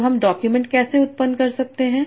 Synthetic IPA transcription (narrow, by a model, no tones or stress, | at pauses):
ɦɐmɖɔːkjumɛ̃ɳʈ̚kɛːseʊt̪̚pənd̪kɐɾsɐk̚t̪eɦɛ̃ː